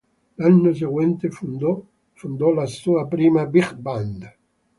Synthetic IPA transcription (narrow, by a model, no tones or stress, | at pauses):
lanːos̬eɡwɛnt̪e | fund̪ɔlasuːapɾiːmabiχband̪